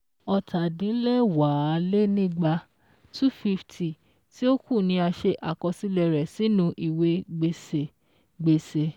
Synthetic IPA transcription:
ɔ˧tʰa˨dĩ˨˦lɛ˦wa˨˦˧le˦nĩ˦˨ɡ͡ba˧ | tu˦fi˧fti˨ | ti˦o˦ku˦˨nĩ˧a˧ʃe˧ʔa˨kɔ˧si˦lɛ˧˨ɾɛ˨si˨˦nũ˧ʔi˨we˧ɡ͡be˨se˨ | ɡ͡be˨se˨

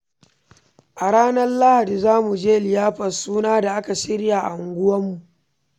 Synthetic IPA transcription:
ʔa˨ɽaː˦nɐ˦rla˦ha˨di˨zaː˦mu˨d͡ʒeː˦lɪ˨jaː˦ɸɐ˨suː˦naː˦da˨ʔa˦ka˨ʃɪ˦ɽja˨ʔa̰˨ʊ˨ŋɡʷʊ˦wɐ˦mːu˨ʔ

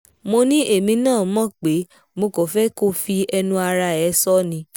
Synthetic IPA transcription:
mo˧nĩ˦ʔe˦˨mĩ˧nãː˦˨mɔ̃˦˨k͡pe˨˦ | mo˧ko˨fɛ˦ko˦fi˧ɛ˧nũ˧a˧ɾa˧ɛ˨˦sɔ˦nĩ˧

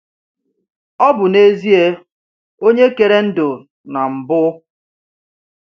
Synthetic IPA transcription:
ɔ˦bʊ˨ne˦zi˦e˦ | o˦ɲe˦ke˨ɾe˦n̩˦dʊ˨ | na˨m̩˨bʊ˦

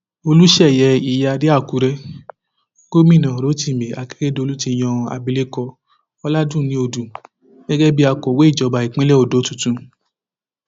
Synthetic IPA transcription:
o˧lu˦ʃɛ˦˨jɛ˨˧i˧˨ja˧di˦a˦˨ku˨˦ɾɛ˦ | ko˦mĩ˦˨nã˨ɾo˨˦ti˦˨me˨a˨˧ke̥˦ɾe˦do˧lu˦ti˧˨j̃ɔ̃˧a̰˧bi˧le˦kɔ˧ | ɔ˦la˦dũ˦˨nĩ˨˦o˧dũ˨ | ɡ̥ɛ˦ɡɛ˦bi˦a˧kɔ˨we˨˦i˦˨d͡ʒɔ˨˧ba˨˧i˨k͡pẽ˦lɛ˦o˦˨do˨˦tũ˨tũ˧˦

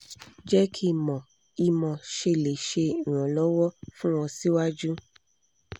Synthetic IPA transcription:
d͡ʒɛ˦kʰi˦˨mɔ̃˨ | i˧mɔ̃˨ʃe˧˨le˨ʃẽ˧˨ɾ̃ɔ̃˨lɔ˦wɔ˦fũ˦w̃ɔ̃˧si˦wa˦d͡ʒu˦

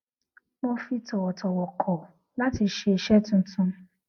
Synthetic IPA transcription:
mõ˧fi˧tɔ˨wɔ˨tɔ˨wɔ˨kʰɔ˨ | la˦ti˧ʃe˧e˨ʃɛ˦tũ˧˦tũ˧

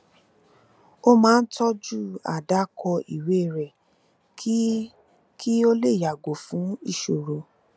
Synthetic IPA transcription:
o˦mãː˦˧n̩˦tɔ˦d͡ʒu˦˨a̰˨da˨˦kʰɔ˧i˨we˦˨ɾɛ˨ | k | kʰi˦o˦le˦˨ja˨ɡo˨fũ˨˦i˦˨ʃo˨ɾo˧

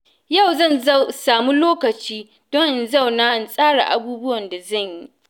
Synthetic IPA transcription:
ja˦˨wzɐ˦˨nzsaː˨mu˦loː˦kɐ˨t͡ʃiː˦ | d̥ɔ˦nza˦˨wnaː˦ʔa˨nsʼaː˦ɽa̰˨ʔa̰˨buː˦bʊ˦wɐ˨nda˨zɐ˦˨ɲji˦

